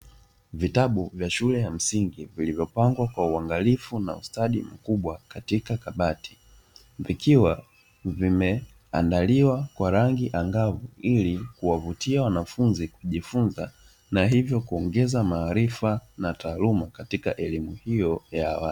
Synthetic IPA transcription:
vitaɓuvjaʃulɛjam̩siŋɡivilivjɔpaŋɡwakwauaŋɡalifuna̰ṵstaɗim̩kuɓwakatikakaɓati̥ | vikʰiwa | vimɛ | a̰ndaliwakwaɾaŋɡiʔaŋɡavuilikuwavutiawanafunzikuʄifunza | naɦivjɔkuɔŋɡɛzamaːɾifanataːlumakatikaʔɛlimuhijɔjaːwali

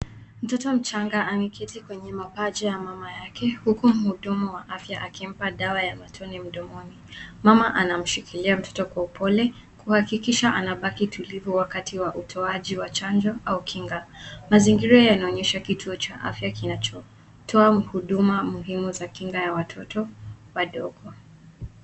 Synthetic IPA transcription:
m̩tɔtɔm̩t͡ʃaŋɡaʔamikɛtikwɛɲɛmapad͡ʒɛjamamajakɛhukum̩huɗumuwaʔafjaʔakim̩paɗawajamatʰɔnɛm̩ɗɔmɔnimamaʔanam̩ʃikʰiliam̩tʰɔ̥tɔkwaupʰɔlɛ | kuhakikiʃaʔanaɓakitʰulivuwakatʰiwaʔutʰɔaʄiwat͡ʃand͡ʒɔʔaukʰiŋɡamaziŋɡiɾɔjanaɔɲɛʃakitʰuɔt͡ʃaʔa̰fjakinat͡ʃɔ | tʰɔam̩huɗumamuɦimuzakiŋɡajawatʰɔtɔwaɗɔɠɔ

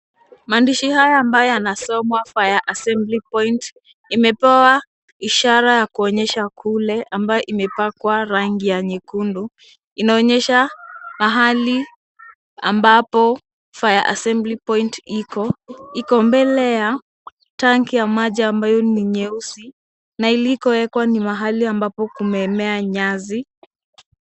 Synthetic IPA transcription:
maːndiʃihajaːmbajɔjanasɔmwafajaʔasɛmblipɔnt | imɛpɛa | iʃaɾajakuɔɲɛʃakʰulɛʔambajɔʔimɛpakwaɾaŋɡijaɲikundu | inaɔɲɛʃamaɦali | a̰mbapɔ | fajaʔa̰sɛmblipɔintikɔikɔmbɛlɛja | taŋkijamaʄaːmbajɔniɲɛusi | nailikɔwɛkwanimaɦaliambapɔkumɛːmɛaɲazi

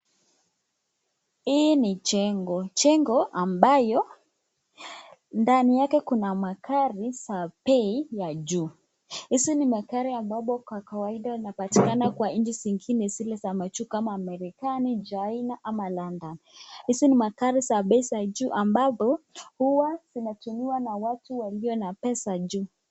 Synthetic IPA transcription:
hinit͡ʃɛŋɡɔt͡ʃɛŋɡɔʔambajɔ | ndanijakɛkunamakaɾisaɓɛijad͡ʒu | hisinimakaɾiambapɔkwakawaiɗainapatikanakwaĩnd͡ʒiziŋɡinɛzilazamat͡ʃukamaːmɛɾikanid͡ʒainaʔamalandanhisinimakaɾisaɓɛisad͡ʒuːʔambapɔhuwaz̥inatumiwanawatuwaliɔnapɛsad͡ʒuː

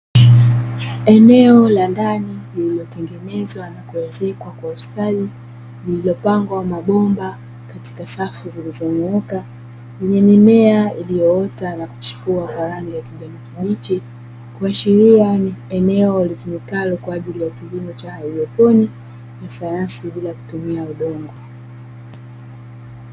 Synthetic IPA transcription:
ɛnɛɔlandanilililɔtɛŋɡɛnɛzwanakuwɛzɛkwakwauskali | lililɔpaŋɡwamaɓɔmba | kati̥kasafuzilizɔmɔka | lɛɲɛmimɛailijɔɔtanaku̥t͡ʃu̥kuakaɾaŋiakiʄanikiɓit͡ʃi | kuaʃiɾiaɛnɛɔlitumikalɔkwaaʄilijakilimɔt͡ʃahaiɗɔtɔni | nasajansiɓilaku̥tumiauɗɔŋɡɔ

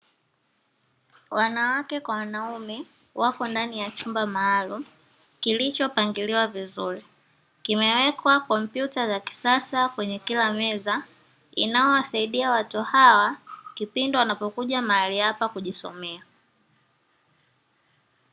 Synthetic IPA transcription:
wanawakɛkwawanaumɛ | wakɔndanijat͡ʃumbamaːlum̩ | kilit͡ʃɔpaŋɡiliwavizuɾi | kimɛwɛkwakɔm̩pjutazaki̥sasakwɛɲɛkilamɛza | ḭnaɔwasaiɗiawatuhawakipindɔwanapɔkuʄamaaliapakuʄisɔ̰mɛa

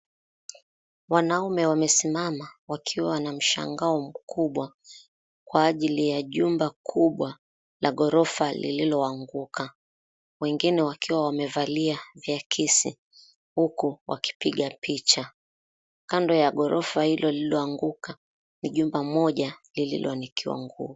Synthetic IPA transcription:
wanaumɛwamɛsimamawakʰiwanam̩ʃa̰ŋɡaɔm̩kʰuɓwa | kwaːʄilijaʄumbakʰuɓwa | laɠɔɾɔfalḭlilɔaŋɡukʰa | wɛŋɡinɛwakiwawamɛvaliavjakʰisḭ | hukuwa̰ki̥piɠapit͡ʃa | kandɔjaɠɔɾɔfahilɔlilɔaŋɡuka | niʄumbamɔʄalilḭlɔ̰nikʰiwa̰ŋɡṵː

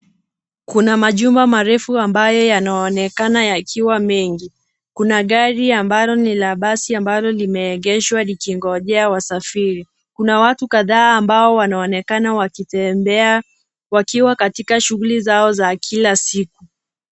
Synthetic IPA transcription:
kunamaʄumbamaɾɛfuambajɔjanaɔnɛkanajakʰiwamɛŋɡi | kunaɠaɾiambalɔnilaɓasiambalɔlimɛːɡɛʃwalikiŋɡɔʄɛawasafiɾi | kunawatukaðaːmbaɔwanaɔnɛkanawaiɛmɛ | wakiwakatikaʃuɣulizaɔzakʰilasiku

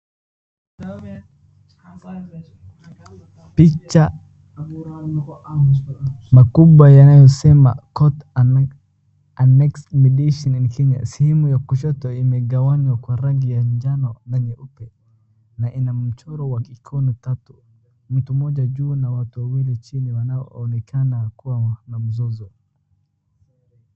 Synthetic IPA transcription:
pit͡ʃːa | n | makubajanajɔsɛma̰kɔt | anɛksmidiʃɔninkɛɲa̰sihimujakuʃɔtɔimɛɡawaɲwakwaɾaɣijaɲd͡ʒanɔndanɛʔupɛ | naʔinam̩t͡ʃɔɾɔwakikʰɔnitatu | mm̩tumɔʄaʄuːnawatuwawilit͡ʃiniwanaɔ̰ɔnɛkʰanakuwanam̩zɔzɔ

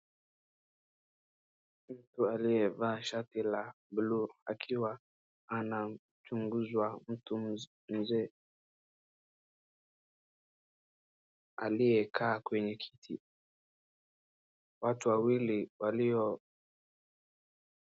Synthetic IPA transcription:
m̩tualijɛvaʃatila | bulua̰kʰiwaː | na | t͡ʃuŋɡuzwam̩tu | m̩zɛ | a̰lijɛkʰaːkwɛɲɛkʰi̥tʰḭ | watuwawiliwaliɔ

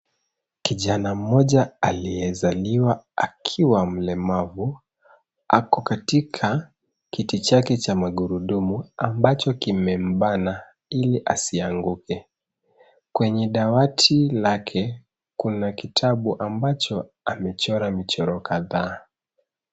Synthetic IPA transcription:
kiʄanam̩mɔʄaalijɛzaliwaakʰiwam̩lɛmavu | a̰kɔkatikʰa | kitit͡ʃakɛt͡ʃamaɠuɾuɗumuambat͡ʃɔkimɛm̩ɓana | iliʔasiaŋɡukʰɛ | kwɛɲɛɗawatʰilakʰɛ | kunakitʰaɓuʔambat͡ʃɔ | amɛt͡ʃɔɾamit͡ʃɔɾɔkaðaː

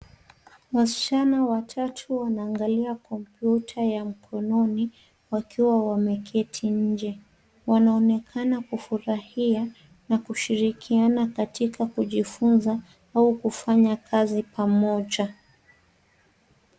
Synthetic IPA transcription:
wasi̥t͡ʃanawatʰatʰuwanaːŋɡaliakɔmpjutʰajam̩kʰɔnɔni | wakʰiwawamɛkʰɛtʰiɲ̩d͡ʒɛ | wanaɔnɛkʰanakufuɾahia | nakuʃiɾikʰianakatikakuʄifunza | aukufaɲakʰazipʰamɔʄa

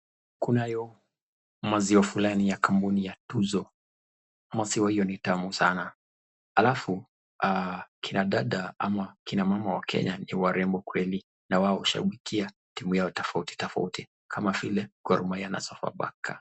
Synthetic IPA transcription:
kunajɔ | maziwafulanijakambunijatuzɔ | masiwahijɔnitamusana | halafu | akʰinaɗaɗaa̰makinamamawakʰɛ̰ɲaniwaɾɛmbɔkwɛli | nawaɔuʃa̰ɓikʰia | timujaɔtɔfauti̥tɔfa̰uti | kʰamavilɛkwaɾumaijana̰sɔfa̰ɓa̰kʰa

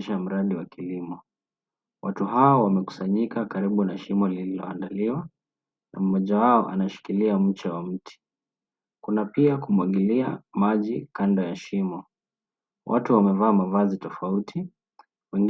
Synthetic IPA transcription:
ʃam̩ɾaɗiwakilimɔ | wʔatuɦaɔwamɛku̥saɲikakaɾiɓunaʃimɔlililɔ̰andaliwa | na̰m̩mɔʄawaɔʔa̰naʃi̥kiliam̩t͡ʃawam̩tʰi̥ | kunapiakumwaɠilia̰maʄikandɔjaʃimɔ | wʔa̰tuwamɛvaːmavazitɔfautʰi | wɛŋɡ

